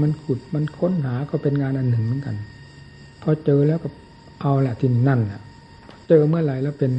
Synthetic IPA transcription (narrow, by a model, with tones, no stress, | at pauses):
ma˧nkʰu˨˩t̪̚ma˧nkʰo˧˥˨nɦaː˩˦kʰɔ˧˩wpe˧nŋaː˧nʔa˧nːɯ˨˩ŋmɯ˦nka̰˧n | pʰɔ˧t͡ɕɤː˧lɛː˦˥wkʰɔ˧˩ | ʔa˧wlɛ˧˩ʔt̪ʰiː˧˩na˧˩˨nlɛ˧˩ | t͡ɕɤː˧mɯ˦˥˩ɐ˨la˧˩jlɛː˦˥˩wpe˧n